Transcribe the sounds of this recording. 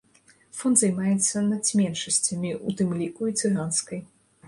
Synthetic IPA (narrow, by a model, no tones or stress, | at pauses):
fɔnd̪zajmajɛt̪sːɐnɐt̪sʲmʲɛnʂɐsʲt͡sʲɐmʲiut̪ɨmlʲikuit̪sɨɣanskɐj